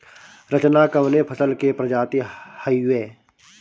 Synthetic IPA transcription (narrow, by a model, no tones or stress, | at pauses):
ɾət͡ʃnakəʋnepʰəsəlkepɾəd͡ʒaːt̪ihəiʋeː